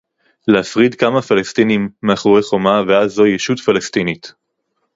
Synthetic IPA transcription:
leafʁid̪kamafalest̪inimːeaχoeχo̞maveazːo̞jeʃut̪falest̪init̪

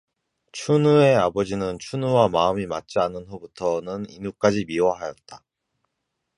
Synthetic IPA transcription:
t͡ɕʰunue̞abʌd͡ʑinɯnt͡ɕʰunuwamaɯmimat̚t͡ɕ͈ianɯnɦubutʰʌnɯninuk͈ad͡ʑimiwʌɦajʌt̚t͈a

